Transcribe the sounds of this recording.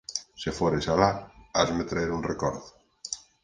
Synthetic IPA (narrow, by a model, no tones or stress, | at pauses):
sefoɾesalaazmet̪ɾaeɾunrekɔɾðʊ